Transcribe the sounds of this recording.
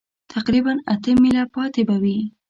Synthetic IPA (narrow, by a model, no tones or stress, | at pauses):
t̪ʰaqɾibanat̪əmilapɑt̪ebawi